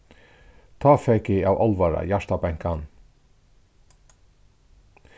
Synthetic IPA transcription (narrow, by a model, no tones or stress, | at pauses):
t̪ʰɑːfɛkɪaːwʔɔlʋaɾa̰jaʂt̪abɛŋ̥kan